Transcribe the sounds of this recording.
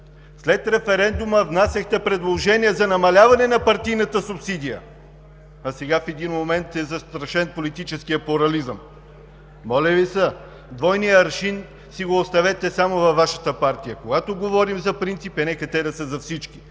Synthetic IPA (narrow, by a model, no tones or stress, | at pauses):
slɛt̪ɾɛfɛɾɛnd̪uməvnasɐxt̪ɛpɾɛd̪lˠoʒɛniɛzɐnɐmɐlʲavɐnɛnɐpɐɾt̪ijnɐt̪əsʊpsid̪ijə̰ | ɐsɛɡafɛd̪inmomɛnt̪ɛzɐst̪ɾɐʃɛnpolit̪it͡ʃɛskijəpʊɾɐlizəmː | ɔlʲɛvisə | d̪vɔjnijəɾʃin | siɡoːst̪ɐvɛt̪ɛsamovɐvːaʃət̪əpaɾt̪ijəkoɡat̪oɡovɔɾimzɐpɾint̪sipɛnɛkɐt̪ɛd̪ɐsəzɐfsit͡ʃki̥